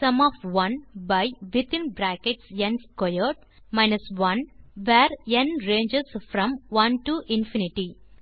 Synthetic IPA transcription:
sʌ̃mɔːʋʋʌ̃nbaɪʋɪt̪ʰĩnbɾækeʈsɡẽnskɔjəʈ̚ | maɪnəsʋʌ̃nʋɛːɾẽnɾẽːɲd͡ʒesfɾɔ̃mʋʌ̃nʈuʔɪ̃nfiniʈi

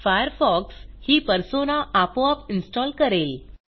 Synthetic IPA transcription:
fajəɾfɔkshiːpəɾsonaʔapoapinsʈɔlkəɾel

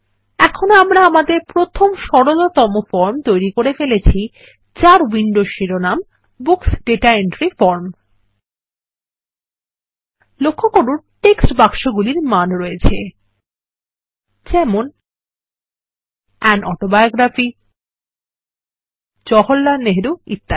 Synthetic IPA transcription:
ɛkʰonoamɾaamad̪eɾpɾot̪ʰomʃɔɽolot̪ɔmofɔɾmt̪ojɾikoɾefelet͡ɕʰi | t͡ɕaɾwiɳɖoʃiɾonam | buksɖeʈaeɳʈɾifɔɾm | lokʰːokoɾuɾʈeksʈbakʃoɡuliɾmanɾɔet͡ɕʰe | d͡ʑɛmon | ɛnɔʈobajoɡɾafi | d͡ʑɔɦolːaneɦɾuḭt̪ːa

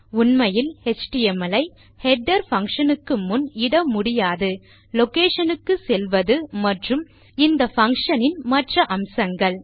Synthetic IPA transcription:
ʊnmɐjɪlhɛt͡ʃʈɪɛmɐlɐɪ | hɛɖːɐɾfɐŋkʂɐnɯkːɯmʊnɪɽɐmʊɽɪjaːðɯ | lɔkeːʂɐnɯkːɯsɛlʋɐðɯmɐʈrɯm | ɪnd̪ɐfɐŋkʂɐnɪnmɐʈrɐʔɐmsɐŋɡɐɭ

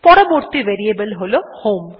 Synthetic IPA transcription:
pɔɾɐmoɾt̪ːiʋeɾijɐbɐlɦɔlohoːm

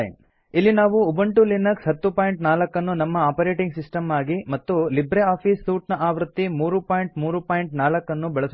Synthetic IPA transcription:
n | ilːinaːʋuːbɐɳʈulinɐksɦɐt̪ːupaːjɳʈnaːlɐkːɐnːunɐmːɐaːpɐɾeːʈiŋɡsisʈɐmaːɡimɐt̪ːulibɾeaːpʰiːsːuːʈnɐʔaːʋɾut̪ːimuːɾupaːjɳʈmuːɾupaːjɳʈnaːlɐkːɐnːubɛɭɐs

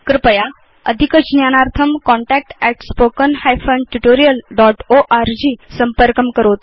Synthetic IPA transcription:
kɾɪpəja | ə̰d̪ʱikət͡ʃnjaːnaɾt̪ʰəmkɔɳʈɛk̚ʈɛʈspoːkənhajfʰənʈuʈoɾijəlɖɔʈoʔaɾd͡ʑiːsəmpəɾkəmkəɾoːt̪

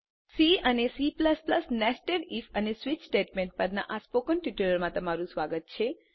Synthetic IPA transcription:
siənesipləspləsnɛsʈeɖifənesʋit͡ʃsʈeʈmẽɳʈ̚pəɾna̰ʔaspokənʈiʈiləɾmãt̪əmaɾũsʋaɡət̪̚t͡ʃʰe

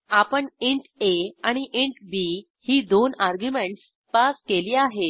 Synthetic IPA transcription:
apəɳeɳʈeaɽ̃iʔeɳʈbiː | hiːd̪onaɾɡjumeɳʈs | paskeliːaɦe

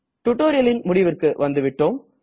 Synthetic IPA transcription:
ʈʊʈːoːɾɪjɐlɪnmʊɽɪʋɪrkɯʋɐnd̪ɯʋɪʈːoːm

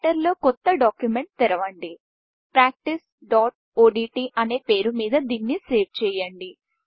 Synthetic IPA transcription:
ʈɐɾlo̞ːkɔt̪ːɐɖaːkjume̞ɳʈ̚t̪ɛɾɐʋɐɳɖi | pɾaːk̚ʈis | ɖaːʈ̚ | oːɖiːʈiːʔɐne̞ːpe̞ːɾumiːd̪ɐd̪iːnːiseːʋt͡ʃɛːjɐɳɖi

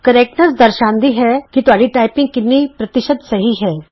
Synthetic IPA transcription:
kɐɾeːk̚ʈnəsd̪ɐɾʃãːnd̪iɦɛkit̪ʊɦaːɽiʈaːɪpɪ̃ŋɡ̚kɪnnːipɾɐt̪ɪʃəd̪sɐɦiɦɛː

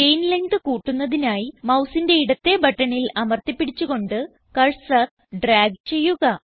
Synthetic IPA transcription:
ejnleŋɡɨkuːʈːunːɐðinaːjimɐwsinde̞iɽɐt̪ːe̞bɐʈːɐɳilɐmɐrt̪ipːiɽit͡ɕːuɣo̞ɳɖɨ | kɐɻsɐ | ɖraːɡ̚t͡ɕe̞jːuɣɐ

